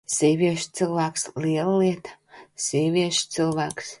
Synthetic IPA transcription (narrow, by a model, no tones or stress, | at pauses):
sʲiːvʲiɛʃt̪sɨlˠvæːksliɛlˠəliɛt̪ḁ | z̥iːvʲiɛʃt̪sɨlˠvæːks